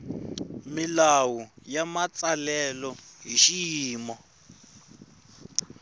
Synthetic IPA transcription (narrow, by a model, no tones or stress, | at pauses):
milawujamat͡salɛlɔɦiʃiiːmɔ